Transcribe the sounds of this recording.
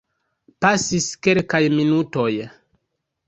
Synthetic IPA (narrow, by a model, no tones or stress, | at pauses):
pasiskelkajminuto̞j